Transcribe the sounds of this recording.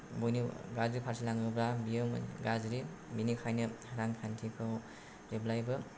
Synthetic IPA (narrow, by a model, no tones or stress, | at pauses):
bujniɡazɾipʰaɾsilaŋɯbɾabijɯm̰ɡazɾi | minikʰajnɐɾaŋkʰantʰikʰaw | ɾeblajbɐ